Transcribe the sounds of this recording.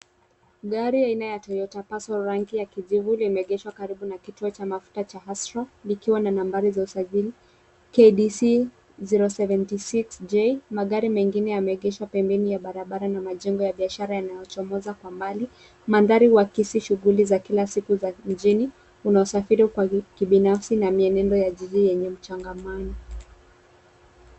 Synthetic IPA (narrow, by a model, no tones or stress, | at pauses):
ɡaɾiainajatɔjɔtapasɔɾaŋkijakiʄivulimɛɛɠɛʃwakaɾiɓunakituɔt͡ʃamafu̥tat͡ʃahasɾɔlikiwananambaɾizausaʄili | keɗisi | ziɾɔsɛvɛntisiksd͡ʒemaɠaɾimɛŋɡinɛjamɛɛɠɛʃapɛmbɛnijaɓaɾaɓaɾanamaʄɛŋɡɔjaɓiaʃaɾajanajɔt͡ʃɔmɔzakwambali | mandaɾiwakisiʃuɣulizakilasikuzam̩d͡ʒini | unaɔsafiɾikwakiɓinafsinamiɛnɛndɔjaʄiʄijɛɲɛm̩t͡ʃaŋɡamanɔ